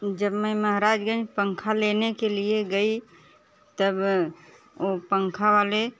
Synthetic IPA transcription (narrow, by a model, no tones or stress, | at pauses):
d͡ʒəbməməɦɾaːd͡ʒɡə̃nd͡ʒpəŋkʰalenekelieɡəi | t̪əb | opəŋkʰaʋale